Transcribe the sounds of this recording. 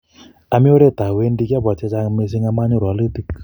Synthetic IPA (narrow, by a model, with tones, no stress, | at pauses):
a˨mi˦o˦ɾɛ˦t̪a˨we˦ndi˦kja˦βa˨t͡ʃa˦t͡ʃa˦me˧s̬i˦ŋa˧ma˦ni˦˨ɾa˨li˦t̪i˦k